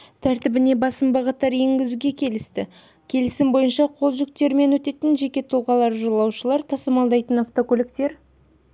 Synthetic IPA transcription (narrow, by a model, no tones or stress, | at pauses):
t̪ʰæɾt̪ɪbɪne̞bɑsəmbɑʁət̪ːɑɾje̞ŋɡʲɪzuɡʲe̞kʲʰe̞lɪst̪ɪ | kʲʰe̞lɪsɪmbo̞jənʃɑqʰo̞lˠʒʏkt̪e̞ɾɪme̞nwɵt̪e̞t̪ɪnʒe̞kʲe̞t̪ʰʊlˠʁɑlˠɑɾʒolˠɑwʃəlˠɑɾt̪ʰɑsəmɑlˠd̪ɑjt̪ənaft̪o̞kolɪkt̪e̞ɾ